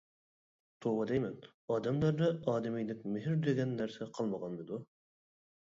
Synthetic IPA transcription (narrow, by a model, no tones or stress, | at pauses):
t̪ʰowɑd̪ɛjmɛn | ɑːd̪ɛmlˠɑɾd̪ɑɑːd̪ɪmijlɪkʲmɪɦɪɾd̪eɡʲɛnːæɾsɛqʰɑlˠmɑʁɑnmɨd̪u